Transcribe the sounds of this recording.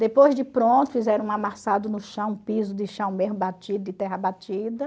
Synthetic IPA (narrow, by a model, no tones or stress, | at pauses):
d̪epojzd͡ʒɪpɾõnt̪ʊfizɛɾɐ̃ũamasad̪ʊnʊʃɐ̃w̃ũpizʊd̪ɪʃɐ̃w̃meɦmʊbat͡ʃid̪ʊɪt̪ɛɦɐbat͡ʃid̪ɐ